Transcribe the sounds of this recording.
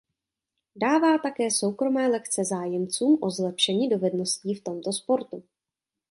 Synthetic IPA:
daːvaːt̪akɛːso̞wkɾo̞mɛːlɛkt͡sɛzaːjɛmt͡suːmʔo̞zlɛpʃɛɲiːdo̞vɛdno̞sciːft̪o̞mt̪o̞spo̞ɾt̪u

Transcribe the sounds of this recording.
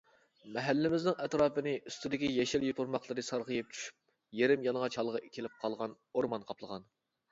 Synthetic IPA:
mɛɦælːɪmɪznɪŋɛt̪ɾɑːpɨnɪʔyst̪ʰyd̪ɪkʲijɛʃɛljot̪ʊɾmɑqlˠəɾɨsɑɾʁəjɨp̚t͡ʃʰy̥ʃy̥p̚ | jeɾɪmjɑnˠʁɑt͡ʃʰɑlˠʁəkʲʰelɪp̚qʰɑlˠʁɑn | oɾmɑnqʰɑplˠəʁɑn

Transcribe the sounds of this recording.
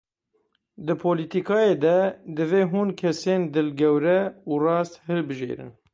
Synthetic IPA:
d̪ɨpʰoːlit̪ikʰɑːjeːd̪ɛd̪ɨveːɦuːnkʰɛseːnd̪ɨlɡɛwɾɛuːrɑːst̪hɨlbɨʒḛːɾɨ̰n

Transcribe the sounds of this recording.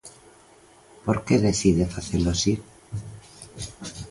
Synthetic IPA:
poɾkeðeθiðefaθeloasi

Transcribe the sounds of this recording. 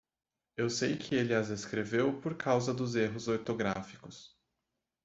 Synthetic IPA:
ewsejkʰɪelɪɐzeskɾevewpoɾkʰawzɐd̪ʊzeɦʊzoɾt̪oɡɾafikʊs

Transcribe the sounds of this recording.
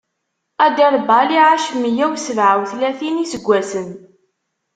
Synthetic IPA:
æd̪iɾˤbaliʕaʃmijæwsəvʕawθlæθinisəɡʷːæsən

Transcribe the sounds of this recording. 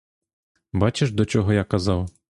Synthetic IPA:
bɑt͡ʃeʃd̪ɔt͡ʃɔɦɔjakɐzɑw

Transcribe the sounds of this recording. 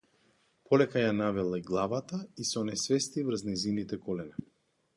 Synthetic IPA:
pʰɔlɛkajanavɛlˠaiɡlˠavat̪aisɔnɛsvɛst̪ivɾ̩znɛzinit̪ɛkɔlɛnɛ

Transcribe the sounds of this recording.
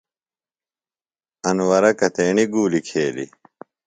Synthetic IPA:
ɐnwɐɾɐkɐt̪eːɳiɡuːlikʰeːlḭ

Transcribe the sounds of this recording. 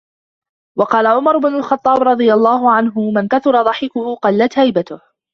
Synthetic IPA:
wɑqɑːlaʕʊmɑɾˤʊbnʊlxɑt̪ˤːɑːbɾˤɑd̪ˤɨjalˤːɑːɦʊʕanɦʊmankaθʊɾˤɑðˤɑħɪkʊhʊːqɑlːat̪hajbat̪ʊh

